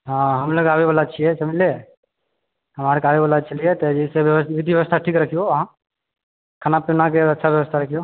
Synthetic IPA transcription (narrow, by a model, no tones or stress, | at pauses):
ɦãɦəmloɡabebalat͡ʃʰiɛsemile | ɦəmaɾkabebalat͡ʃəliet̪ed͡ʒɛsebʋəʋid̪ʱiʋjəʋəst̪ʰaʈʰiːkɾəkʰijoʋəɦã | kʰanapinak̬eətːʃʰabjəʋəst̪ʰaɾəkʰijo